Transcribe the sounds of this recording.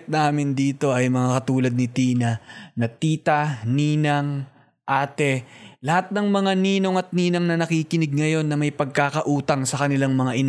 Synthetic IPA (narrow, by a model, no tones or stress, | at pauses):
t̪̚naːmɪnd̪iːt̪o̞ɐjmɐŋakɐt̪uːlɐd̪̚nɪt̪iːnɐnɐt̪iːt̪ɐniːnɐŋ | ʔaːt̪ɛlɐhat̪̚nɐŋmɐŋaniːno̞ŋɐt̪̚niːnɐŋnɐnɐkiːkɪnɪɡ̚ŋɐjo̞nːɐmɐjpɐɡ̚kaːkɐʔuːt̪ɐŋsɐkɐnɪlaŋmɐŋaʔɪn